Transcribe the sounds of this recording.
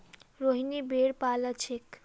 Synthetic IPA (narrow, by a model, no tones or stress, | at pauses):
ɾoɦinibeɽpalət͡ʃʰek